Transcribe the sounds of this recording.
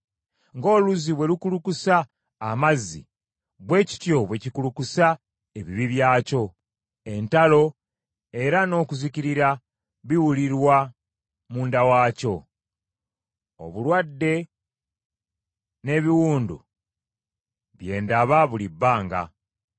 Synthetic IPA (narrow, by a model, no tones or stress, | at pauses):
ŋɡo̞ːluziβwe̞lukulukusaː | mazːḭ | βwe̞ːci̥tjo̞βwe̞cikulukusa | e̞βiβiβjaːco̞ | e̞ntalo̞ | e̞ɾano̞ːkuziciɾiɾa | βiwuliɾwa | muːndawaːco̞ | o̰βulwadːe̞ | ne̞ːβiwuːndṵ | βje̞ːndaβaβulibːaːŋɡa̰